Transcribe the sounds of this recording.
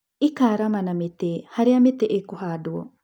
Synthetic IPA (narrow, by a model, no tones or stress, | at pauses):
ikaːɾamanamet̪ehaɾeamet̪ɛʔekuɦaːduɔ̰